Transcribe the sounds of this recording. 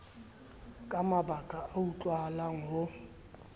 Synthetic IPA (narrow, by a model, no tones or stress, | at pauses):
kʼamabakʼaʔaut͡ɬʼwalaŋ̩ɦʊ